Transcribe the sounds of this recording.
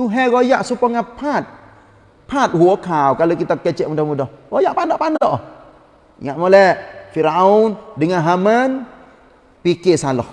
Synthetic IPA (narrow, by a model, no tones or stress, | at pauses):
t̪uɦɛɣojaʔsupɔŋapʰat̪̚ | pʰat̪̚huokawkalokit̪akət͡ʃɛʔmudɔhmudɔhɣojaʔpanɔʔpanɔʔ | ŋaʔmolɛfiɾaundəŋanɦamən | pikesalɔ̰h